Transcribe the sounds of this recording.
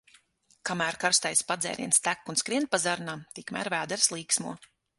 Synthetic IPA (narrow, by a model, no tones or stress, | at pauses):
kamæːɾkaɾst̪ajspad̪zɛ̰ːɾʔḭɛnst̪ækːunskɾiɛnt̪̚pazaɾnamt̪ikmæ̰ːɾvæːd̪ɛɾslˠiːksmuɔ